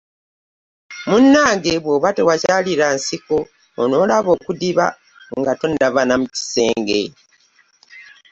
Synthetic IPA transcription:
munːaːŋɡe̞βwoβatewacaliɾansikoː | no̞ːlaβo̞ːkudiβa̰ | ŋɡatondavanamuci̥se̞̰ːŋɡe̞̰

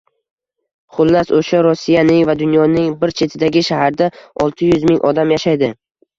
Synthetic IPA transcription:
χʊlˠːasoʃaɾʊsːijanɪŋvad̪ʊnjɒnɪŋbɪɾt͡ʃʰe̞t̪ʰɪd̪aɡʲɪʃahaɾd̪aɒlˠt̪ʰɪjʊzmɪŋʔɒd̪amjaʃajd̪ɪ

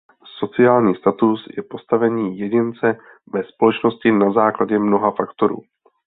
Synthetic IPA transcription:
so̞t͡sɪaːlɲiːst̪at̪usjɛpo̞st̪avɛɲiːjɛɟɪnt͡sɛ | vɛspo̞lɛt͡ʃno̞scɪnazaːklaɟɛmno̞ɦafakt̪o̞ɾṵː

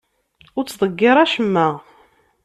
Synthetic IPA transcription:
ʊɾt͡sːðˤəɡːɪɾˤæʃəmːæ

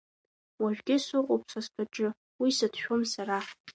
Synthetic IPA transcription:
waʒᶣɡʲɪsʊqʷʼopʰʂaskʰʼaʈ͡ʂʼɨ | wisatʰʃᶣomsaɾa

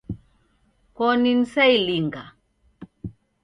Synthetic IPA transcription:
kɔnin̩sailiŋɡa

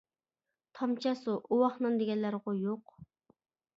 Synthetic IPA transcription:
t̪ʰɑmt͡ʃʰɑsuʔuwɑχnɨnd̪eɡʲɛnlːæɾʁʊjoq

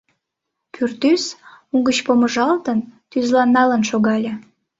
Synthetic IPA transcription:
pʰyrt̪ysuŋɡət͡ɕpoməʒɑlt̪ənt̪yzlɑnːɑlənʃoɣɑlʲe

